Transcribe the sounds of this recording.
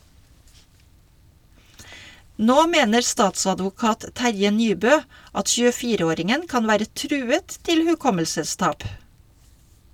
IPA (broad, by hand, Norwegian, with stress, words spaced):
ˈnoː ˈmeːnəɾ ˈstɑːtsɑdʋʊˌkɑːt ˈtæɾjə ˈnyːbœ ˈɑt çʉːəˈfiːɾə ˈoːɾɪŋən ˈkɑn ˈʋæːɾə ˈtɾʉːət ˈtɪl hʉˈkɔməlsəˌstɑːp